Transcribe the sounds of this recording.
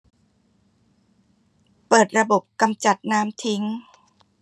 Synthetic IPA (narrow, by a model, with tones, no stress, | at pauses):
pɤː˨˩t̪̚ɾa˧bo˨˩p̚ka˧mt͡ɕa˨˩t̪̚naː˦˥mt̪ʰi˦˥ŋ